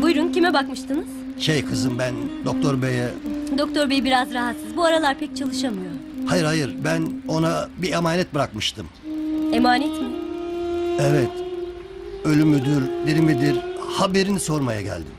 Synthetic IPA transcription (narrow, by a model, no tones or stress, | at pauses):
bujɾuncimɛbakmɯʃt̪ʰɯnɯz̥ | ʃejkʰɯzɯnbænd̪ok̚t̪ʰoɾbejɛd̪ok̚t̪ʰo̞ɾbejibiɾazɾaɦat̪sɯzbuaɾalˠaɾpʰɛc̚t͡ʃʰalˠɯʃamɯjo | hajɯɾhajɯɾbæno̞nabiemaːnɛt̪̚bɯɾak̚mɯʃt̪ʰɯm | emaːnɛt̪mɪ | evɛt̪ | ø̞lʲymyd̪yɾd̪eɾimid̪iɾhabe̞ɾiniso̞ɾmaja̰ɟæ̰lʲd̪ḭm